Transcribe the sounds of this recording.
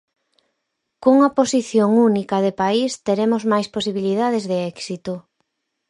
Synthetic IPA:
koŋɐposiθjoŋunikɐðepaist̪eɾemozmajsposiβilið̞að̞ezðeɛksit̪o

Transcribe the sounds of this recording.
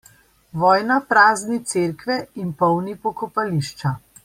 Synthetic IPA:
ʋɔːjnapɾaːznit̪seːɾkʋɛinpɔwnipɔkɔpaliʃt͡ʃa

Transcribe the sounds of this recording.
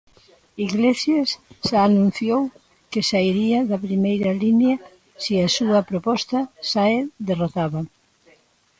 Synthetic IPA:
iɣlesjasʃaːnũn̟θjow | kɪsaiɾiɐðɐpɾimejɾɐlinjɐ | siɐsuɐpɾopɔst̪ɐsaed̪erot̪aβɐ

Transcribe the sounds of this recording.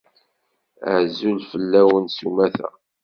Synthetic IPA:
ə̰ʕzulfəlːæwənsumæθæ̰

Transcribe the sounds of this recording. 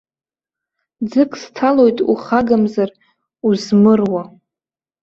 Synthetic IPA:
d͡zɨkʼstʰalo̞jtʼṵχaɡamzar | uzmɨrwa

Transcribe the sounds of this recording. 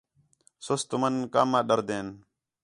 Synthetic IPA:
sʊst̪ʊmənkaːmːãːɗəɾd̪eːn

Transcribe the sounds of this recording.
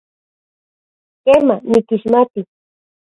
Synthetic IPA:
kemamɪkɪʃmapɪ

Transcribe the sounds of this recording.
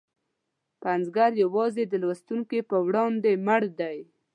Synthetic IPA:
panzɡaɾjawɑzed̪əlwast̪uŋkepəwɽɑnd̪emaɽd̪aj

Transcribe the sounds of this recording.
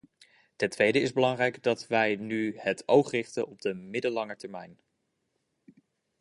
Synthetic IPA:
tɛntʋejdəɪzbəlɑŋrɛjɡdɑtʋɛjnyhətowχrɪχtənɔb̚dəmɪdəlɑŋəɹtɛɹmɛjn

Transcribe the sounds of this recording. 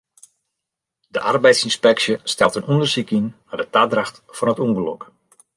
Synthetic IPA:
dəʔa̰rbɛjtsinspɛksjəstɛlˠtənundərsikinnadətaːdraxt | fɔnətuŋɡəlɔk

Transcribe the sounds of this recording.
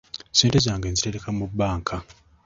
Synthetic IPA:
seːnte̞zaːŋɡeːnzite̞ɾe̞kamubːaːŋkʰa

